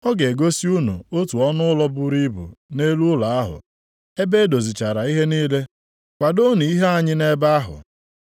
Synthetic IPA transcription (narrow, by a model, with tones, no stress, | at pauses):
ɔ˦ɡe˨ɡo˦si˦u˦nṵ˨o˦tu˨ɔ˦nʊ˦lɔ˦bʊ˦ɾi˦bṵ˨ne˦lu˦la˨a˦ɦʊ̰˨ | e˦be˦do˨zi˨t͡ʃa˨ɾa˨i˦ɦe˦niː˦le˦ | kʷa˨do˦ni˨i˦ɦe˦a˦ɲɪ˦ne˦ba˦a˦ɦʊ̰˨